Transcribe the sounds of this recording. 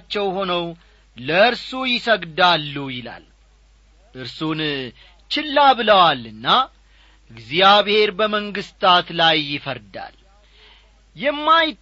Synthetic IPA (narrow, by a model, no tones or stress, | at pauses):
t͡ʃːɛwho̞nəw | ləɨɾsujɪsəɡd̪alːujɪla̰l | ʔɨɾsun | t͡ʃɪlːabɨləwalɨnːa | ɨɡzjaβhe̞ɾbəməŋɡɨst̪ʰat̪lajːɪfəɾd̪a̰l | jɛmːajɪt̪ː